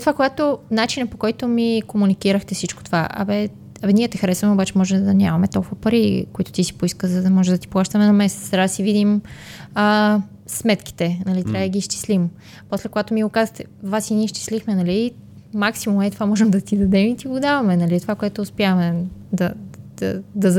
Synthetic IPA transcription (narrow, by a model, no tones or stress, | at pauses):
t̪ovakoɡat̪onat͡ʃinɐpokɔjt̪omikomunikiɾəxt̪ɛfsit͡ʃkot̪ovaʔɐ̰bɛ | ɐbɛnʲiɛt̪ɛxɐɾɛsvɐmɛobat͡ʃɛmɔʒɛmd̪ɐnʲamɐmɛt̪ɔlˠkuvɐpɐɾikoit̪o̥t̪isi̥poiskəzɐd̪ɐmɔʒɛd̪ɐt̪i̥plˠaʃt̪ɐmɛnɐmɛsɛ̥t̪st̪ɾad̪ɐsivid̪imə | smɛt̪ki̥t̪ɛnɐlit̪ɾʲavəd̪əɡʲiʃt͡ʃ̪i̥slim | poslɛkoɡat̪omiɡokazəxt̪ɛvasiniʃt͡ʃ̪i̥slixmɛnɐli | maksimumɛt̪ovamɔʒɛmd̪ɐt̪id̪ɐd̪ɛmit̪iɡod̪avɐmɛnɐlit̪ovakoɛt̪oːspjavmɛd̪ɐd̪̥ɐd̪ɐ